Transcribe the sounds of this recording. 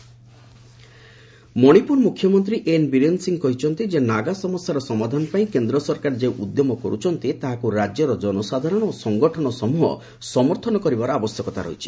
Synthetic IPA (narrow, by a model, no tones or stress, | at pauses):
mɔɽ̃ipuɾmukʰjɔmɔnt̪ɾiʔenbiɾensiŋkɔɦit͡ʃʰɔnt̪id͡ʒenaɡasɔmɔsjaɾɔsɔmad̪ʱanɔpaĩkend̪ɾɔsɔɾkaɾd͡ʒeʔud̪jɔmɔkɔɾut͡ʃʰɔnt̪it̪aɦakuɾad͡ʒjɔɾɔd͡ʒɔnɔsad̪ʱaɾɔñɔosɔŋɡɔʈʰɔɽ̃ɔsɔmuɦɔ̰ | sɔmɔɾt̪ʰɔnɔkɔɾibaɾɔabɔsjɔkɔt̪a̰ɾɔ̰ɦit͡ʃʰi̥